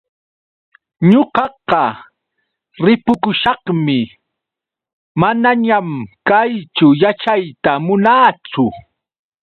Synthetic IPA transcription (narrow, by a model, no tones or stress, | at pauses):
ɲoɢɑqɑ | ɾɪpʊkʊʃɑχmɪ | manaɲamkajt͡sʊjat͡ʃajt̪amʊnaːt͡sʊ